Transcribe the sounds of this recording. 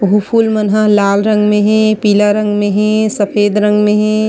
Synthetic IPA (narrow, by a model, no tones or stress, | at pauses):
ɦupʰulmənɦaɦlaːlɾə̃ŋɡmẽɦɛ̃piːləɾə̃ŋɡmẽɦɛ̃səpʰeːd̪ɾə̃ŋɡmẽɦɛ̃